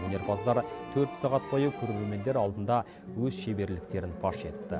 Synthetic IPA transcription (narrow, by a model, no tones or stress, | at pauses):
ɵnʲe̞ɾpʰɑzd̪ɑɾt̪ʰɵɾt̪sɑʁɑt̪̚bʰojəkʲʰɵɾeɾe̞lme̞nd̪e̞ɾɑlˠd̪ənd̪ɑ | wɵzʃe̞be̞ɾlɪk̚t̪e̞ɾɪnpʰɑʃe̞t̪ɪ̥p̚t̪ːɪ̰